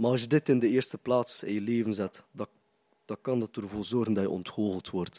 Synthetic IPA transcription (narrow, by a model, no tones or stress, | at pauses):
maɑs̬jədɪtɪndəeːrstəplaːsɪ̰njəleːvənzɛtdɑ | d̥ɑkɑndətərvoːlˠzɔrɣəndɑjəɔ̰ntxoːɣəlˠtʋɔrt